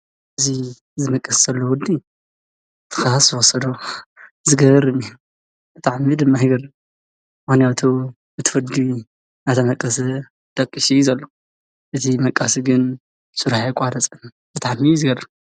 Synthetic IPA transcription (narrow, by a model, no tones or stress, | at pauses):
ʔɨzi | zɨmɐkʼːɐsz̥ɐlːowɔd̪i | t̪ʰɨ̥xasɨwɔsɐd̪ozɨɡɐβɾɨmi | bɨt̪ʰaʕmid̪ɨmːajɡɐrːɨm | mɨxnijat̪ʰu | bɨt̪ʰɨ̥fɨd̪i | nat̪ʰɐmɐkʼːɐsɐ | d̪̥ɐkʼːiʃijzɐlːo | ʔɨt̪ʰimɐkʼːasiɡɨn | suɾħakʷʼaɾɐt͡sʼɨn | b̥ɨt̪ʰaʕmizɨɡɐrɨm